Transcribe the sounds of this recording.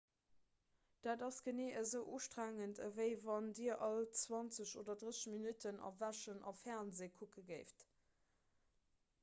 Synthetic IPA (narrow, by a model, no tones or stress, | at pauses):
d̥aːdɑsɡ̥əneːʔəzəʊʔuːʃtʁæːŋəntʰəvəɪvɑndiːɐʔɑlt͡swɑnt͡səɕoːdɐdʁəsəʃminytʰənɑ̰væʃənɑ̰fɛʁnzeːkʰukəɡəɪft